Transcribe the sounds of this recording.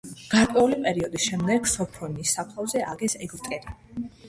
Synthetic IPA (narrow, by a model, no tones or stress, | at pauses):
ɡ̥aɾkʼwɛulipʼɛɾiɔd̪isʃɛmd̪ɛɡ̥sɔpʰɔnisːapʰlˠavzɛʔaɡɛsɛɡɾt̪ʼɛɾi